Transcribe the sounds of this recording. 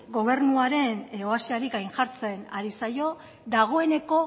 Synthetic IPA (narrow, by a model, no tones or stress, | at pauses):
ɡo̞β̞e̞ɾnuaɾe̞noasiaɾikajnʝaɾt͡se̞naɾisajo̞ | d̪aɣ̞o̞e̞ne̞ko̞